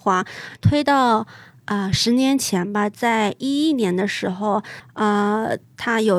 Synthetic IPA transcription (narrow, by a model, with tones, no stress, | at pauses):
xwa˧˥t̪ʰwe˥ɪt̪ɑ˥˩ʊ | ə˧ʂɻ̩˧˥njɛ˧˥nt͡ɕʰjɛ˧˥nbɐ˧t͡sa˥˧ɪi˥i˥˩njɛ˧˥nd̪ə˧ʂɻ̩˧˥xo˥˧ʊə˧t̪ʰa˥jo˨˩ʊ